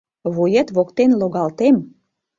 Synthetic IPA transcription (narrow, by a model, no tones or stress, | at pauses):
βujet̪βokt̪enloɣɑlt̪em